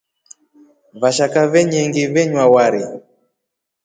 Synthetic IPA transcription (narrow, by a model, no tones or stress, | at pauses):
βaʃakavɛɲɛŋɡivɛɲwawaɾi